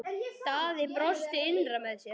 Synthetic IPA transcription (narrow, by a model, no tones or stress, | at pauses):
t̪aːðɪpɾɔst̪ɪɪnramɛðsjɛ